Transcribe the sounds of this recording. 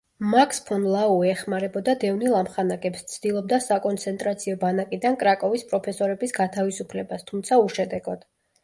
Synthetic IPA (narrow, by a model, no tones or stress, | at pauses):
makʰspʰɔnlˠauɛχmaɾɛbɔd̪ad̪ɛvnilˠamχanakʼɛpst̪sʰd̪̥ilˠɔb̚d̪asakʼɔnt̪sʰɛnt̪ʼɾat̪sʰiɔbanakʼid̪ankʼɾakʼɔvispʼɾɔpʰɛsɔɾɛbisɡat̪ʰavisupʰlɛbast̪ʰumt̪sʰauʃɛd̪ɛɡɔd̪̥